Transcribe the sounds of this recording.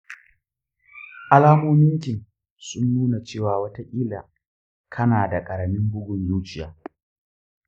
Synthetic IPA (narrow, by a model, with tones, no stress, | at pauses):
ʔa˦laː˦moː˦mɪ˦ŋkʲɪ˨ŋ | sʊ˦nːuː˦na˨t͡ʃeː˦˨waː˨wɐ˦ta˦ʔʲʼiː˦la˨ | kʰɐ˦naː˨da˨kʼɐ˨ɾɐ˨mɪ˦mbʊ˦ɡʷʊ˨njuː˦t͡ʃɪ˨jaː˨